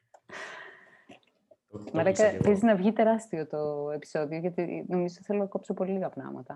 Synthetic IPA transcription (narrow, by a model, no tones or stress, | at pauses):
mɐlɐkɐpeziznɐvʝit̪e̞ɾɐst̪iot̪oe̞pi̥so̞ðioʝɐt̪ino̞mizo̞t̪iθelonɐɐko̞psopo̞liliɣɐpnɐ̰mɐ̰t̪ɐ